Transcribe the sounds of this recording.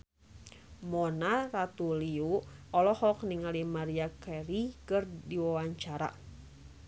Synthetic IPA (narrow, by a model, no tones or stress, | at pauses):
mɔnarat̪uliuɔlɔhɔk̚niŋalimaɾiakɛɾikɨrdiwawaɲt͡ʃaɾa̰